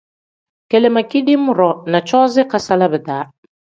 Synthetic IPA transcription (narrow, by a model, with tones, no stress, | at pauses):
kɛ˨lɛ˨ma˨ki˦ɗi˦mu˦ɾɔ˨na˨t͡ʃɔ˦zɛ˦ka˨sa˦la˦βɛ˨t̪a˨˦